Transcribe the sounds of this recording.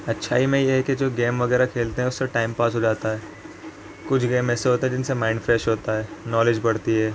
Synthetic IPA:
ɐtːʃʰaːɦimẽjeɦɛked͡ʒoːɡeːmʋɐɣɛːɾakʰeːlt̪eɦɛ̃ʊsːeʈaːɪmpaːsɦoːd͡ʒaːt̪aɦɛː | kʊt͡ʃʰɡeːmɛːseɦoːt̪aɦɛd͡ʒɪnsemãːɪ̃ɳɖfɾeːʃɦoːt̪aɦɛːnɔːled͡ʒbɐɽt̪iɦɛː

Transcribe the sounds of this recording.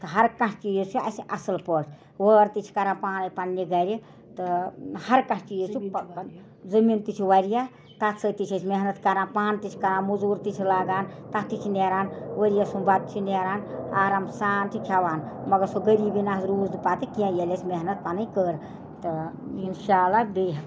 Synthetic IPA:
t̪ɨɦɐɾkɐ̃t͡ʃʰt͡ʃiːzt͡ʃʰiasʔɐsɨlpəːt͡ʃʰ | ʋəːɾt̪it͡ʃʰi̥kɐɾãːpaːnɐpɐnːiɡɐɾi | t̪ɨhɐɾkɐ̃sʰt͡ʃiːzt͡ʃʰu | zɐmiːnt̪it͡ʃʰiwɐɾija | t̪at̪sət̪it͡ʃʰɐt͡ʃʰmeɦnɐt̪kɐɾãnpaːnt̪it͡ʃʰi̥kɐɾãːmuzuːɾt̪it͡ʃʰilaːɡaːnt̪at̪it͡ʃʰineɾaːnwəɾijasubat̪̚t͡ʃʰineɾaːnaːɾamsaːnt̪ʰikʲʰaʋaːnmɐɡɐɾsoɡɐɾiːbinazɾuːznipat̪ɨkijãjelʲet͡ʃʰʲmeɦnɐt̪̚panɐjkəːɾ | t̪ɨinʃaːlːabeɦ

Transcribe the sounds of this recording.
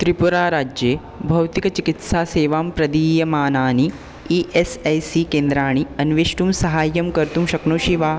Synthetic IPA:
t̪ɾipuɾaːɾaːd͡ʒjeː | bʱɐwt̪ikɐt͡ʃikit̪saːseːʋaːmpɾɐd̪iːjɐmaːnaːni | iʔesɐjsikẽːnd̪ɾaːɳ̃iɐnʋeːʃʈumsɐɦaːjːɐmkɐɾt̪umʃɐknoːʃiʋaː

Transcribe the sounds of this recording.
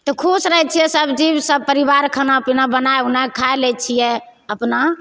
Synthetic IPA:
t̪ɔkʰusɾəɦɛt͡ʃʰijɛsəbd͡ʒibsəb̚pəɾibaɾkʰənapnabənaeunakʰaelɛt͡ʃʰijɛ | əpna

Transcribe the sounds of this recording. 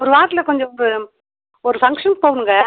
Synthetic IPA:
ɔɾɯʋaːɾt̪ɪlɐkɔɲd͡ʒɔmbɯ | ɔɾɯfɐŋkʂɐnpoːɳɯŋɡɐ

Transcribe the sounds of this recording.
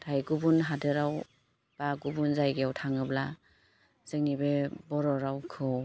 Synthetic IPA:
tʰajɡubunɦadɯɾaw | b̥aɡubunzajɡjawtʰaŋɯbla | zɯŋnibebɔɾɔɾawkʰɯw

